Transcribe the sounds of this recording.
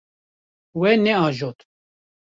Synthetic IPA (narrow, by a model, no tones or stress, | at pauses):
wɛnɛɑːʒoːt̪